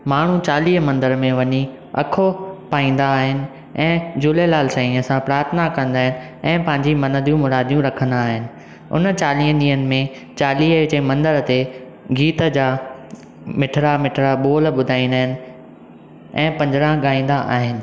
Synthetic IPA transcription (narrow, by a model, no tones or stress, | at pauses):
maːɳ̤ut͡ɕaːliːɦmɐ̃nd̪əɾmẽʋɐɲi | ɐ̰kʰopaːĩːn̆d̪aːɦɪnɪ̆ | ɛ̃ːd͡ʑuːlelaːlsãĩəsãpɾaːɾət̪ʰnakɐ̃nd̪aːɦɪnɪ̆ | ɛ̃ːpɐ̃ɦɪ̃ɲd͡ʑimɐ̃nəd̪ijũmʊɾaːd̪ʱijũɾɐkʰə̃nd̪aːɦɪnɪ̆ | ʊ̰nt͡ɕaːlĩːɦəɗiːənɪ̆mẽ | t͡ɕaːliːɦɪt͡ɕemɐ̃nd̪əɾt̪e | ɡiːt̪əd͡ʑaː | mɪʈʰɾamɪʈʰɾaɓoːlɓʊd̪ʱaːĩːnd̪aːɦɪnɪ̆ | ɛ̃ːpɐ̃ɲd͡ʑɪɾãɠaːĩːn̆d̪aʔa̰ːɦɪnɪ̆